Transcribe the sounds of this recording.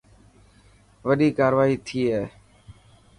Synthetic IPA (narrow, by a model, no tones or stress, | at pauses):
ʋəɗiːkaːɾʋaːɦiːt̪ʰiːɦɛː